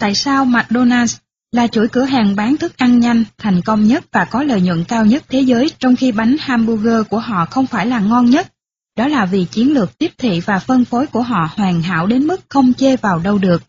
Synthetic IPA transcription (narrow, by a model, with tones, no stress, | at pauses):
t̪a̰ː˧˨jsaː˧wmaː˨˩t̚ɗo˧naː˧ns | laː˨˩t͡ɕṵ˧˩jkɨ˧˩əɦaː˨˩ŋɓaː˨˦nt̪ʰɨ˦˥k̚ʔa˧ŋɲa˧jŋ̟t̪ʰa˨˩jŋ̟kə˧wŋ͡mɲə˦˥t̚vaː˨˩kɔ˨˦lə̰ː˨jɲwə̰˧˨nkaː˧wɲə˦˥t̚t̪ʰe˨˦zəː˨˦jt͡ɕɔ˧wŋ͡mxi˧ɓa˨˦jŋ̟haː˧mɓu˧ɣəː˧ku˧˩əɦɔ̰˧˨xə˧wŋ͡mfaː˧˩jlaː˨˩ŋɔ˧nɲə˦˥t̚ | ɗɔ˨˦laː˨˩vi˨˩t͡ɕi˨˦ənlɨ˨˩ək̚t̪i˦˥p̚t̪ʰḭ˧˨vaː˨˩fə˧nfo˨˦jku˧˩əɦɔ̰˧˨hwaː˨˩ŋɦa̰ː˧˨wɗe˨˦nmɨ˦˥k̚xə˧wŋ͡mt͡ɕe˧vaː˨˩wɗə˧wɗɨ˨˩ək̚